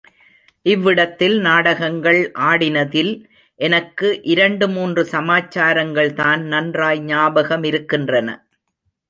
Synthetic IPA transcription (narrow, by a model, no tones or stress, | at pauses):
ʔɪʋːɪɽɐt̪ːɪlnaːɽɐɣɐŋɡɐɭʔaːɽɪnɐðɪl | ʔɛnɐkːɯʔɪɾɐɳɖɯmuːndrɯsɐmaːt͡ʃːaːɾɐŋɡɐɭt̪aːnnɐndraːjɲaːbɐɣɐmɪɾɯkːɪndrɐnɐ̰